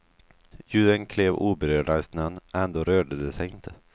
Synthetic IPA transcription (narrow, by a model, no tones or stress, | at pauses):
jʉ̟ːd̪ənkʰleːvuːbɛɾøːɖasnənːʔɛnd̪oːɾøːɖəd̪ɛsɛjɪnt̪ʰə